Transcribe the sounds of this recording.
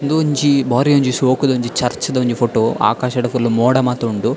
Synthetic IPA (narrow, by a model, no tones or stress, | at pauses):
nd̪uɲt͡ʃibaːɾiɐɲd͡ʒisoːkud̪ɐuɲd͡ʒit͡ʃɐɾt͡ʃɐd̪ɐuɲd͡ʒipʰoʈoːa̰ːkaːʃɐɽɐpuɾlomɔːɽɐmaːt̪ɐuɳɖu